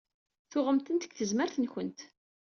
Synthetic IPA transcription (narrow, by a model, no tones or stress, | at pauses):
θʊʁəmt̪ənt̪ə̥ɡθəzməɾθənçənt̪